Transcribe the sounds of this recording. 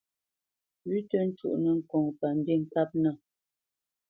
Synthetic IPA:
ɥi˦tə˦n̩˦t͡ʃṵ˦˨ʔnə˨ŋ̩˨kɔ˨ŋpa˨n̩˦de˦˨ŋ̩˨ka˦p̚nə˦˨

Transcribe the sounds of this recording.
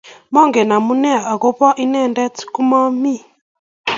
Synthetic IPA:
mɔ˦˨ŋɡɛ˨na˨mu˦nɛ˦a˨ʔa˨ɣɔ˦pa˦ʔi˦nɛ˦˨ndɛ˦t͡si̥˦ku˦ma˦mi˦˨

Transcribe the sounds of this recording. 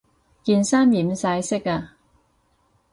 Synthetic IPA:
kiː˧nsaː˥mjiː˨˩msaː˧jsɪ˥kaː˧

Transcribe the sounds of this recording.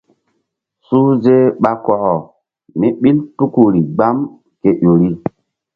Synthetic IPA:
suː˦ze˦ɓa˦kɔ˨ɣɔ˨ | ni˦ɓi˦ltu˦ku˨ɾi˨ɡ͡ba˦m | ke˨ʔo˨ɾi˦

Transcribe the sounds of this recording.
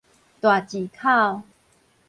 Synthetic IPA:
t̪wa˨˩t͡ɕi˨˩kʰa˥˧w

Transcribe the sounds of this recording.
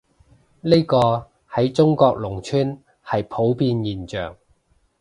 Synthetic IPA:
le˥jkɔː˧ | hɐ˨˥jt͡sʊ˥ŋkɔː˧k̚lʊ˨˩ŋt͡ʃʰyː˥n | hɐ˨jpʰo˨˥wpiː˧njiː˨˩nt͡ʃœ̰ː˨˩ŋ

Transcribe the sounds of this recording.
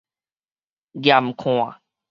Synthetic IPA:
ɡja˨m˨kʰõ˨a˨

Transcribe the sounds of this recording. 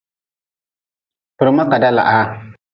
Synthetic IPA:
pɨ˨ɾma˦ka˨da˦la̰˨ʔa˦

